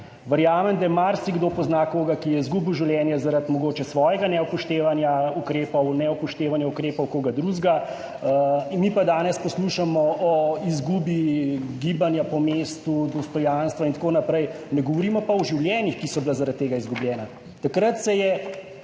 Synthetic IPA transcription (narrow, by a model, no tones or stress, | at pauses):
ʋəɾjaːmɛmd̪ajɛmaɾsiɡd̪oːpɔznakoːɡakijɛizɡuːbiwʒiwljɛːnjazaɾat̪mɔɡoːt͡ʃɛsʋɔːjɛɡanɛɔpɔʃt̪eːʋanjaukɾeːpɔwnɛɔpɔʃt̪eːʋanjaukɾeːpɔwkoːɡad̪ɾuʒɡa | mipad̪aːnɛspɔsluʃamɔʔɔizɡuːbiɡiːbanjapɔmeːst̪ud̪ɔst̪ɔjanst̪ʋaint̪akoːnapɾɛjnɛɡɔʋɔɾiːmɔpaɔʒiwljɛːnixkisɔbilazaɾat̪ːeːɡaizɡublʲjɛːna | t̪akɾat̪sɛjɛ